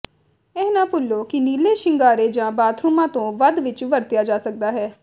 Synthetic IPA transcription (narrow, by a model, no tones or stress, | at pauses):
ɛːɦnãːpʊlːoːkɪniːleːʃɪŋɡaːɾeːd͡ʒãːbaːt̪ʰɾuːmãːt̪õːʋəd̪ʋɪt͡ʃʋəɾt̪ɪjaːd͡ʒaːsək̚d̪aːɦɛː